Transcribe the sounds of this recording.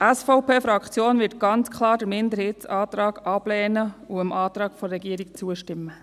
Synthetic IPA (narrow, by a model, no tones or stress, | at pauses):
æsfɔʊpeːfɾɑkt͡sjoːnʋɪt̚ɡ̥ɑnt͡skʰlɑːɾd̥əɾmɪnd̪əɾhɪːtsɑːt̪ɾɑːɡ̥ɑb̥lɛːnəuəmʔɑːt̪ɾɑːɡ̥fɔrɛɡiəɾik̚t͡suəʃtɪmːə